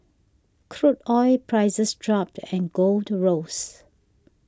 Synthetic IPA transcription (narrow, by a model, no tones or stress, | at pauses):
kʰɹutɔɪpʰɹaɪzəsdɹɔp̚tʰɛ̃nɡoldɹos